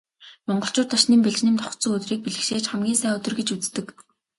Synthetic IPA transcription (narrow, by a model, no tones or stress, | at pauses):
mɔɴɢɞ̆ɬt͡ɕʊːrt̪ʰaʃniːmpeɮt͡ɕnĭmt̪ʰɔχt̪t͡sɵ̆ŋɵt̪riːk̚piɮɘ̆xʃeːt͡ɕχæmɡʲiːnsæːɵt̪ɵ̆rɡet͡ɕut͡st̪ɘ̆k